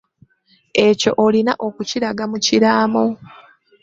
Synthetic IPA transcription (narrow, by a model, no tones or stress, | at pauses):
e̞co̞̰ʔolinaʔo̞kuciɾaɡamuciɾaːmo